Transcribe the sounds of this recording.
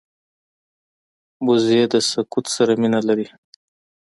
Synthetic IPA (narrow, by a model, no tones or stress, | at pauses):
bʊzjed̪əsakut̪saɾaminalaɾi